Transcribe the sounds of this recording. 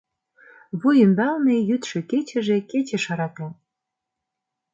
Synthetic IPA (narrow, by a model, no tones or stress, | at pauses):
βujə̆mbælnejyt̪ʃĕket͡ɕĕʒĕket͡ɕĕʃɑɾɑt̪ɑ